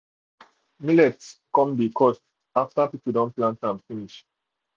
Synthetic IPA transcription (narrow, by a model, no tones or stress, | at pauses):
milɛtkɔ̃mbikʰɔs | aftapipudɔ̃nplãntãnfiniʃ